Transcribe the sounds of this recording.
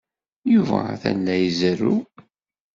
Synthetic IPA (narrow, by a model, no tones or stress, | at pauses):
juvæ̰θæ̰lːæjəzəru